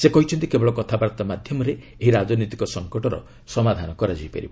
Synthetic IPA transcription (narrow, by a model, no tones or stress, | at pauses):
sekɔɦit͡ʃʰɔnt̪ikebɔɭɔkɔt̪ʰabaɾt̪amad̪ʱjɔmɔɾe | eɦiɾad͡ʒɔnit̪i̥kɔsɔŋkɔʈɔɾɔ̰ | sɔmad̪ʱanɔkɔɾad͡ʒijpḛɾibɔ